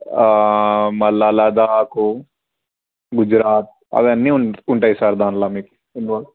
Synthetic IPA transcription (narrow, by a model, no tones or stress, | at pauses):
mɐlaːlaːd̪ako | ɡʊd͡ʒɾaːt̪̚ | ɐ̰ʋɐnːĩʊʊɳʈaisaɾd̪aːnlaːmik | ɪnʋɐ